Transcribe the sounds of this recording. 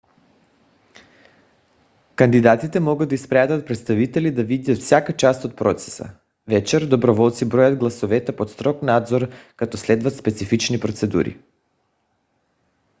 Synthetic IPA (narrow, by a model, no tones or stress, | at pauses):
kand̪id̪at̪it̪ɛmɔɡad̪aispɾɛat̪at̪̚pɾɛt̪st̪avit̪ɛlid̪avid̪at̪fsʲjakat͡ʃast̪ot̪̚pɾɔt̪sɛ̥sa̰ | vɛt͡ʃɛɾd̪obɾovɔlˠt̪sibɾɔjad̪ɡlˠasɔvɛt̪ɛpot̪st̪ɾɔknad̪zoɾkat̪ɔslɛd̪vat̪spɛt̪sifit͡ʃnipɾot̪sɛd̪ṵɾḭ